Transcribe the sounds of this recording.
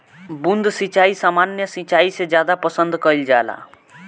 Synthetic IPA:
bund̪sit͡ʃaːisaːmaːnjəsit͡ʃaːised͡ʒjaːd̪apəsə̃nd̪kəild͡ʒaːla̰ː

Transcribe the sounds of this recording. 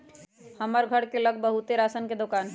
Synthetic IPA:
hɐməɾɡʱəɽkelɐɡ̚bəɦut̪eɾaːsənked̪okaːnɦɛ

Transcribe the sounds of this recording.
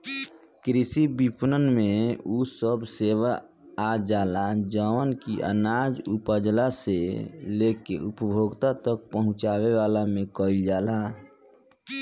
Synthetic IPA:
kɾɪsibipnənmẽusəbseːʋa | ad͡ʒaːlad͡ʒəənkiʔə̰nad͡ʒupəd͡ʒlaseleːkeʔupəbʱoːɡt̪at̪ək̚pəɦʊ̃t͡ʃaːweʋaːlamẽkəld͡ʒaːla

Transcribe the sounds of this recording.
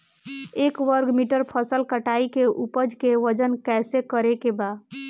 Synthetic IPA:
ekʋəɾɡmiʈəɾpʰəsəlkəʈaikeʔupəd͡ʒkeʋəd͡ʒənkɛsekəɾekeba

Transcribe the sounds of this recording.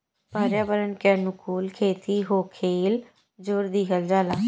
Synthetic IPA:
baːɾjaːbəɾənkɛːnʊkuːlkʰeːt̪iːɦoːkʰeːl | d͡ʒoːɾd̪iːkəld͡ʒaːlaː

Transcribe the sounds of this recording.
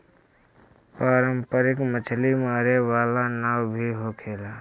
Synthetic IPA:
paːɾəmpəɾɪkmət͡ʃʰlimaːɾeʋaːlanaːwbʱiɦoːkʰeːlaː

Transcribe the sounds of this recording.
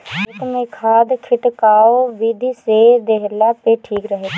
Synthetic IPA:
ɪkmẽkʰaːd̪kʰɪʈkaːoʋɪd̪ʱised̪eɦlapeʈʰiːkɾəɦe

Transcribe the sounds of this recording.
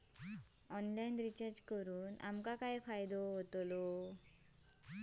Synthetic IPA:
ɔnlajnɾit͡ɕaɾd͡ʑkəɾuːna̰mkakajfajd̪oɦot̪lo

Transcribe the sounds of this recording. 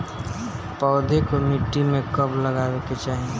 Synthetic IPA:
pɔːd̪ʱekomiʈːimẽkɐbləɡaːweket͡ʃaːɦie

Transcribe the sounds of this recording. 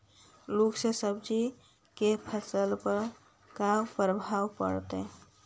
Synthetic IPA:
loːɡsesəbd͡ʒi | kepʰəsəlpəɾ | kapɾəbʱaːwpə̰ɽt̪e

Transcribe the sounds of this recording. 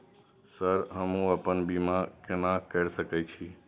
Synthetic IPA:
səɾɦəmũəpənbimãkɪnãkəɾsəkɛjt͡ʃʰi

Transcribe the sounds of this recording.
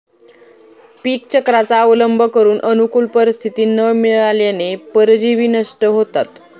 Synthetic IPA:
piːk̚t͡ɕəkɾat͡saəʋləmbʱəkəɾuːnʔənukulpəɾist̪ʰit̪iːnəmiɭaljanepəɾd͡ʑiʋiːnəʂʈəɦot̪at̪

